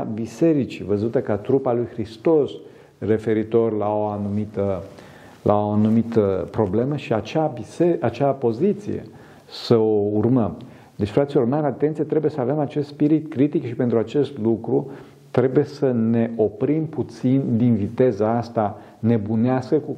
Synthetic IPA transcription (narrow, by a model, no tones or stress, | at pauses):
abise̞ɾit͡ʃḭvəzut̪əkat̪ɾupalujxɾist̪o̞s | re̞fe̞ɾit̪o̞rlaoanumit̪ə | lʔa̰oanumit̪əpɾo̞ble̞məʃiat͡ʃabiseat͡ʃeapo̞zit̪sḭjḛ | səo̞urməm | d̪et͡ʃʲfɾat̪silo̞rmaɾat̪e̞nt̪sijat̪ɾebujesəave̞mat͡ʃe̞st̪spiɾit̪kɾit̪ikʃipent̪ɾuat͡ʃe̞st̪lukɾu | t̪ɾe̞buje̞səne̞ʔo̞pɾimput̪sind̪invit̪e̞zəast̪a | ne̞buneaskəku